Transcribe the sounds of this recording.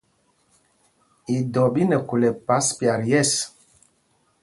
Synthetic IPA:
i˨dɔ˨bi˦nɛ˨ku˨lɛ˨pa˨˦spja˨ɾjɛ˦˨s

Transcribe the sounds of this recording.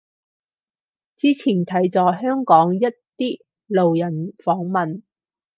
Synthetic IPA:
t͡siː˥t͡sʰiː˨˩nt̪ʰɐ˨˥jt͡sɔː˧˩ɦœː˥ŋkɔː˨˥ŋjɐ˥t̚t̪iː˥ | lo˨wjɐ˨˩nfɔː˨˥ŋmɐ˨n

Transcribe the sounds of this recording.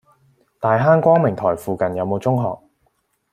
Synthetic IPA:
t̪aː˨jɦaː˥nkʷɔː˥ŋmɪ˨˩ŋt̪ʰɔː˨˩jfuː˨kɐ˨njɐ˨˧wmo˨˧wt͡sʊ˥ŋɦɔ̰ː˨k̚

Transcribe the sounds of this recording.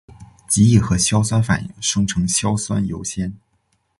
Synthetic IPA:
t͡ɕi˧˥i˥˩xɤ˧˥ɕjɑ˥ʊswa˥nfa̰˨˩njḭ˧˥ŋʂɤ˥ŋʈ͡ʂʰɤ˧˥ŋɕjɑ˥ʊswa˥njo˧˥ʊɕjɛ˥n

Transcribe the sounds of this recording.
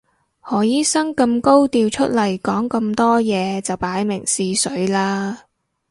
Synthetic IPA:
hɔː˨jiː˥sɐ˥ŋkɐ˧mko˥wt̪iː˧wt͡ʃʰɵ˥t̚lɐ˨˩jkɔː˨˥ŋkɐ˧mt̪ɔː˥jɛː˨˧t͡sɐ˨wpaː˨˥jmɪ˨˩ŋsiː˧sɵ˨˥ɥlaː˥

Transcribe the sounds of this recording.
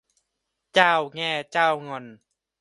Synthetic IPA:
t͡ɕaː˥˩˨wŋɛː˧˩t͡ɕaː˥˩wŋɔ˧˩n

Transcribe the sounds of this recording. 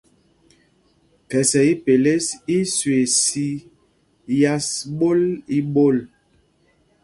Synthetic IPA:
kɛ˨sɛ˨i˦pe˨le˦si˦swe˨si˦ | ja˦sɓo˦li˦ɓo˦˨l

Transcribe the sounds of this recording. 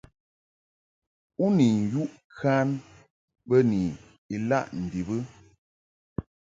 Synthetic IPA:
u˦ni˨n̩˨ju˦ʔ | kʰa˦n | bə˦ni˨ | i˨la˦˨ʔn̩˨di˨bɨ˦

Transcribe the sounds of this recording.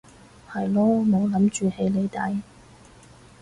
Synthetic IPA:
hɐ˨jlɔː˥mo˨˧wlɐ˨˥mt͡ʃyː˨˧he˨˥jle˨˧jt̪aː˨˥j

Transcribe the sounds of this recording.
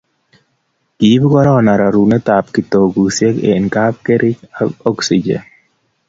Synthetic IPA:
ɡ̥i˨˦bɡɔ˦ɾɔ˦˨na˨ɾa˨ɾu˨nɛ˦t̪a˨pki˨t̪o˨ɡu˨sje˦kḛ˨nka˦p̚ke˦ɾʔɪ˦t͡ʃaɔ˦ksid͡ʒɛ̰˨n

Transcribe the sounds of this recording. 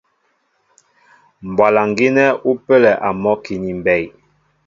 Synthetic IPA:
m˨bwa˨la˨ŋɡi˦nɛ˦u˦pə˦lɛ˨ʔa˨mɔ˦ki˨ni˨mbɛ˦˨j

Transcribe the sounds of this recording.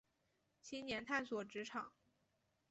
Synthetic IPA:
t͡ɕʰi˥nnjɛ˧˥nt̪ʰa˥˩nswɔ˨˩ʈ͡ʂɻ̩˧˥ʈ͡ʂʰɑ˨˩˦ŋ

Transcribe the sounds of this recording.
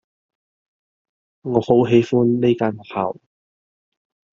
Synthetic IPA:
ŋɔː˨˧ho˨˥wɦe˨˥jfuː˥nle˥jkaː˧˥na˨˩ha̰˨˩w

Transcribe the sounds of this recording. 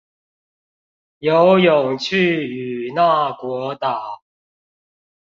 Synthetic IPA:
jo˨˦ʊjʊ˨˩ŋt͡ɕʰy˥˨y˨˩na˥˨kwɔ˧˥˦t̪a˨˩˦

